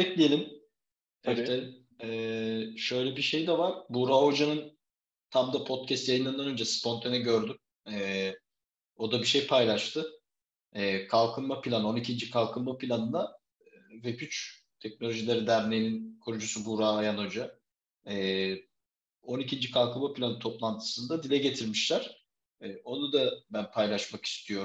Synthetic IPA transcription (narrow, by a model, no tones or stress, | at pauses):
bɛclʲijelʲim | eɛ | ɛʃø̞jlʲɛbiʃe̞jd̪ɛvaɾ̥buɾaːɦo̞d͡ʒanɯn | t̪ʰamd̪apʰo̞t̪̚cʰɛst̪jajɯnand̪anø̞nd͡ʒɛspʰo̞nt̪ʰanɛɟø̞ɾd̪ym | ɛː | o̞d̪abiʃe̞jpʰajlˠaʃt̪ʰɯ | ɛːkʰalˠkʰɯnmapʰilʲano̞nicʰind͡ʒikʰalˠkʰɯnmapʰilʲanɯnd̪a | vepyt͡ʃ | t̪ʰɛc̚no̞lʲoʒilʲeɾid̪æɾnejininkʰoɾud͡ʒusubuɾaːjano̞d͡ʒa | ɛː | o̞nicʰind͡ʒikʰalˠkʰɯlmapʰilʲanɯt̪ʰo̞plˠant̪ʰɯ̥sɯnd̪ad̪ilʲɛɟe̞t̪ʰiɾmiʃlʲæɾ̥ | ɛːo̞nud̪abænpʰajlˠaʃmaki̥st̪ʰijo̞ɾm